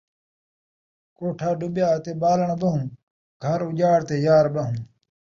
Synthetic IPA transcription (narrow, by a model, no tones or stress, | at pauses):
koːʈʰaːɖʊbjaːt̪eːbaːləɳ̃bɐɦũː | ɡʱɐɾʊd͡ʒaːɽt̪eːjaːɾbɐɦũː